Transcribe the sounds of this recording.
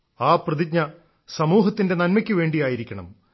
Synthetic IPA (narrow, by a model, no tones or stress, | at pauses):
aːprɐðik̚ɲɐ | sɐmuːɦɐt̪ːinde̞nɐnmɐkʲːɨʋe̞ːɳɖijaːjiɾikʲːɐɳɐ̰m